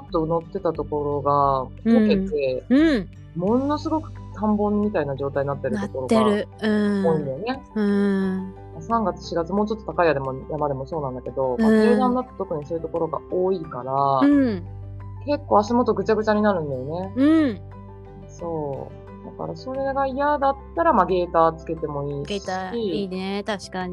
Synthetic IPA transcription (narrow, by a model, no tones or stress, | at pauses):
ot̪ːo̞no̞t̪ːe̞t̪at̪o̞ko̞ɾo̞ɡat̪oke̞t̪e̞ | mo̞no̞sɨɡo̞kɯ̟̥k̪ʰãmbõ̞mːʲit̪ainaʑo̞ːt̪aiɲnat̪ːe̞ɾɯ̟t̪o̞ko̞ɾo̞ɡɯoːĩnd̪ejone̞ | asãŋɡat͡sɨ̥ɕiɡat͡sɨmo̞ːt͡ɕo̞t̪ːot̪akaiad̪e̞mojamad̪e̞mo̞so̞ːnãnd̪ake̞d̪o̞mmaʑɨːd̪ãnːat̪ːo̥t̪o̞kɯ̟ɲ̟isoːjɯt̪o̞ko̞ɾo̞ɡa̰oːikaɾa | ke̞kːo̞ːaɕimot̪o̞ɡɯ̟t͡ɕaɡɯ̟t͡ɕaɲ̟inaɾɯ̟̃nd̪ajo̞ne̞ɯ | so̞ː | d̪aka̰ɾaso̞ɾe̞ɡaijad̪at̪ːaɾamaɡe̞ːt̪aːt͡sɨ̥ke̞t̪e̞mo̞iːɡɕiinet̪aɕkaɲi